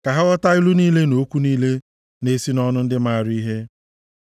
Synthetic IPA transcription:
ka˨ɦa˦ɣɔ˦ta˦ɪ˦lu˦niː˦le˦no˨˦kʷu˦niː˦le˦ | ne˨si˦nɔ˦nʊ˦n̩˦dɪ˦ma˦˨ɾi˦ɦe˦

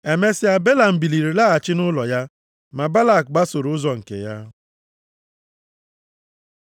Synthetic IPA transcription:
e˨me˦sɪ˦a˨be˦la˨m̩˨bi˨li˨ɾi˨la˦a˨t͡ʃɪ˦nʊ˦lɔ˨ja˦ | ma˨ba˦la˨k̚ɡ͡ba˦so˨ɾʊ˨˦ʊ˦zɔ˨ŋ̩˨kḛ˨ja˦

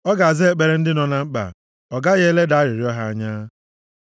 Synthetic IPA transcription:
ɔ˦ɡa˨a˨zɪ˦e˨k͡pe˨ɾe˦n̩˦dɪ˦nɔ˨na˦ŋ͡m̩˦k͡pa̰˨ | ɔ˨ɡa˦ɣe˦le˦da˨a˦ɾɪ˨ɾɪ˨˦ɔ˦ɦa˦a̰˦ɲa˦

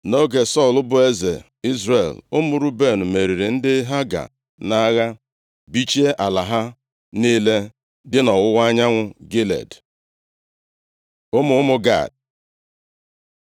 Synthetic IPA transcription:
no˦ɡe˨sɔ˦˨lʊ˦bʊ˨e˦zḛ˨ | i˦zre˨lʊ˦mʊ˨ɾʊ˦be˦˨nʊ˨me˨ɾi˨ɾi˨n̩˦dɪ˦ɦa˦ɡa̰˨ | na˦ɣa˦ | bi˦t͡ʃe˦ʔa˨la˨ɦa˦ | ni˦le˦ | dɪ˦nɔ˨wʊ˦wa˦ɲa˦ŋʷʊ˦ɡe˦lḛ˨d | ʊ˦mʊ˦ʊ˦mʊ˦ɡa̰˦˨d̚

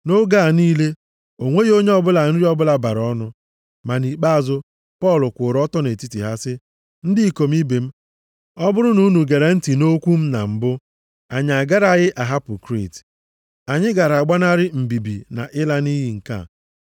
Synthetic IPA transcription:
no˦ɡa˦˨niː˦le˦ | o˨ŋʷe˦jo˦ɲe˦ɔ˦bʊ˦la˨n̩˦ɾi˦ɔ˦bʊ˦la˨ba˨ɾɔ˦nʊ˦ | ma˨ni˨k͡pa˦a˨zʊ˦ | pɔ˦˨lʊ˨kʷʊ˨ɾɔ˦tɔ˦ne˨ti˦ti˨ɦa˦sɪ˦ | n̩˦di˦i˦ko˨m̩˦i˦be˨m̩˦ | ɔ˦bʊ˦ɾʊ˦nu˦nu˨ɡe˨ɾe˨n̩˦ti˨no˦kʷu˦m̩˦na˨m̩˨bʊ˦ | a˨ɲ˨a˨ɡa˦ɾa˨ɣɪ˦ʔa˨ɦa˦pʊ˨kɾḭ˦˨t | a˨ɲɪ˦ɡa˨ɾa˨ɡ͡ba˦na˦ɾɪ˦m̩˨bi˨bḭ˨na̰˨ʔɪ˦la˦ni˦ɦi˦ŋ̩˨ka̰˦˨

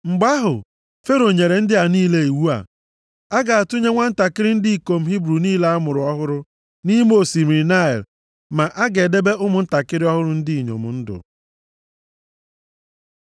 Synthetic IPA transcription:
ŋ͡m̩˨ɡ͡ba˦ɦʊ̰˨ | fe˦ɾo˨ɲe˨ɾe˨n̩˦dɪ˦a˨niː˦le˨i˨wu˦a̰˨ | a˦ɡa˨a˨tu˦ɲe˦ŋʷa˦n̩˦ta˨kɪ˦ɾɪ˦n̩˦di˦i˨ko˨m̩˦ɦi˦bɾu˨niː˦la˦a˦mʊ˨ɾʊ˨ɔ˦ɦʊ˦ɾʊ˦ | ni˦m˦o˨si˨mi˨ɾna˦ḛ˨l | ma˨ʔa˦ɡe˨de˦be˦ʔʊ˦mʊ˨n̩˦ta˨kɪ˦ɾɪ˦ɔ˦ɦʊ˦ɾʊ˦n̩˦di˦i˨ɲo̰˨mʊ̰˨n̩˦dʊ̰˨

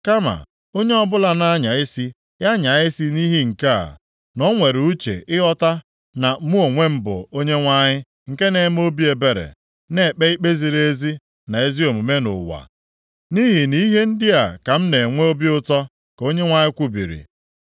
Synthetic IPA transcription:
ka˦ma̰˨ | o˦ɲe˦ɔ˦bʊ˦la˦na˦ɲa˨ɪ˦si˦ | ja˦ɲa˨ɪ˦si˦ni˦ɦi˦ŋ̩˨ka˦a̰˨ | nɔ˦ŋʷe˨ɾu˦t͡ʃḛ˨ɪ˦ɔ˦ta˦ | na˨˦mu˦o˨ŋʷe˦m̩˦bʊ̰˨o˦ɲe˦ŋʷa˦ɲɪ˦ | ŋ̩˨ke˦ne˨˦m˦o˦bi˦e˨be˨ɾḛ˨ | ne˨k͡pe˦i˦k͡pe˦zi˨ɾe˦zi˦ | na˨e˦zi˦o˨mu˨me˦nʊ̰˨wa̰˨ | ni˦ɦi˨ni˦ɦe˦n̩˦dɪ˦a˨ka˨m̩˦ne˨ŋʷe˦o˦bi˦ʊ˦tɔ˦ | ko˦ɲe˦ŋʷa˦ɲɪ˦kʷu˦bḭ˨ɾḭ˨

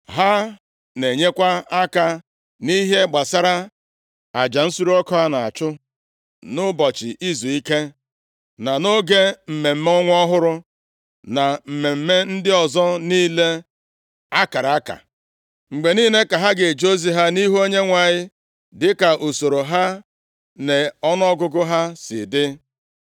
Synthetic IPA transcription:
ɦa˦ | ne˨ɲe˦kʷa˦a˦ka˨ | ni˦ɦe˦ɡ͡ba˨sa˦ɾa˦ | a˨d͡ʒa˨n̩˦su˦ɾu˦ɔ˦kɔ˦ɦa˦na˨a̰˨t͡ʃʊ˦ | nʊ˦bɔ˨t͡ʃɪ˨ʔi˦zu˨i˦ke˦ | na˨no˦ɡe˦m̩˨me˨m̩˦m˦ɔ˦ŋʷ˦ɔ˦ɦʊ˦ɾʊ˦ | na˨m̩˨me˨m̩˦me˦n̩˦dɪ˦ɔ˨zɔ˦niː˦le˦ | a˦ka˨ɾa˨a˦ka̰˨ | ŋ͡m̩˨ɡ͡be˨niː˦ne˦ka˨ɦa˦ɡe˨d͡ʒo˦zi˨ɦa˦ni˦ɦu˦o˦ɲe˦ŋʷa˨ɲɪ˦ | dɪ˦ka˨ʔo˨so˨ɾo˨ɦa˦ | ne˨ɔ˦nɔ˦ɡʊ˦ɡʊ˦ɦa˦sɪ̰˨dɪ˦

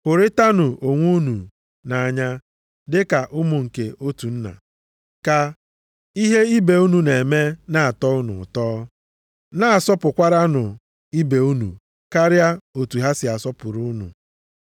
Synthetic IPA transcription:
ʊ˨ɾe˦ta˦nʊ˨ʔo˨ŋʷu˦nu˨ | na˨a˨ɲa˦ | dɪ˦ka˨ʔʊ˦mʊ˨ŋ̩˨ke˨ʔo˦tu˨n̩˦na̰˨ | ka˨ | i˦ɦe˦i˦be˨u˦nu˨ne˨me˦na˦a˨tɔ˦ʊ˦nʊ̰˨tɔː˦ | na˦a˨sɔ˦pʊ˨kʷa˦ɾa˦nʊ˨ | i˦be˨u˦nṵ˨ | ka˦ɾja˦o˨tu˨ɦa˦sɪ˨a˨sɔ˦pʊ˨ɾu˦nṵ˨

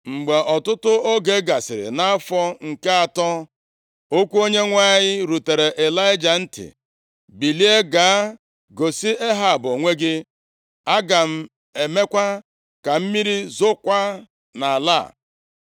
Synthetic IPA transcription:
ŋ͡m̩˨ɡ͡be˨ʔɔ˨tʊ˦tʊ˦o˦ɡe˦ɡa˨sɪ˨ɾɪ̰˨na˦a˦fɔ˦ŋ̩˨ke˦a˨tɔ˦ | o˦kʷu˦o˦ɲe˦ŋʷa˦ɲɪ˦ɾu˨te˨ɾe˨ʔe˨la˦ɪ˦d͡ʒa˨n̩˦tɪ̰˨ | bi˨li˦e˦ɡa˨a˦ | ɡo˨si˦e˦ɦa˨bo˨ŋʷe˦ɡɪ˦ | a˦ɡa˨m̩˦ | e˨me˦kʷa˦ | ka˨m̩˦mi˦ɾi˦zʊ˦kʷa˦ | na˨a˨la̰˦˨

